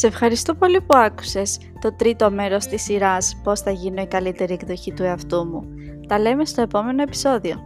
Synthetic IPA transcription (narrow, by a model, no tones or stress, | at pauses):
ɐ̥se̞fxɐɾist̪opo̞lipuɐku̥se̞s | t̪o̞t̪ɾit̪o̞me̞ɾo̞st̪isiɾɐspo̞sθɐʝino̞ikɐlit̪e̞ɾiekðo̞çit̪ue̞ɐft̪umu | t̪ɐle̞me̞st̪o̞e̞po̞me̞no̞e̞pi̥so̞ðio̞